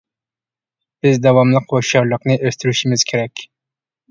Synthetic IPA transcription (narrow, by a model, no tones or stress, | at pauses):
bɪzd̪ɑwɑmlˠɨqʰoʃʃɑɾlˠəqnɨʔøst̪yɾyʃɪmɪz̥kʲʰeɾɛkʲ